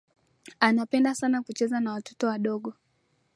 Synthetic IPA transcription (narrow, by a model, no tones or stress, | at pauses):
anapɛndasanakut͡ʃɛzanawatʰɔ̥tɔwaɗɔɠɔ